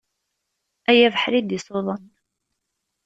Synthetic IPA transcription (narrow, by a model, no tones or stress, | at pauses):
æjævəħɾid̪isoðˤən